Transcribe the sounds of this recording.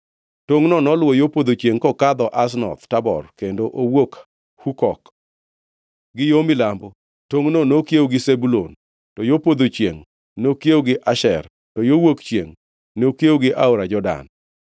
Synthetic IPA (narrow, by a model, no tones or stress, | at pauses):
toŋnɔnɔlwojopod̪ot͡ʃjeŋkɔkad̪ɔʔas̬nɔ̰t̪tabɔ̰rkendoʔowok | hukɔk | ɡɪjomɪlambo | toŋnonokjewɡɪsebulon | tɔjopod̪ot͡ʃjḛŋ | nokjewoɡɪʔaʃɛr | tɔjowokt͡ʃjḛŋ | nokjewoɡɪʔaoɾad͡ʒɔda̰n